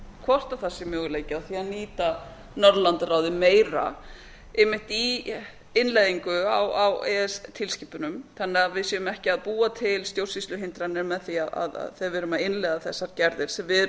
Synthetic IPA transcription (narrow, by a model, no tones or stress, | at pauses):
kʰvɔr̥t̪aθasːɪmjœːɣʏleːjcɪawθianiːt̪a | nɔɾðlant̪raːwðɪmeːjɾa̰ | ɪmɪht̪i | ɪnleːðiŋkʏawawɛst̪ʰɪlsciːpʏnʏmθanːɛɣavɪðsjɛʏmɛhcɪaðpuːat̪ʰɪlst̪jowsisʏɦɪnt̪ɾanːɪɾmɛðθiaða̰ða̰ðθejðvɪːɾʏmaðɪnlɛɣðaθɛsːaɾcɛɾðɪɾ̥sɛmvɪ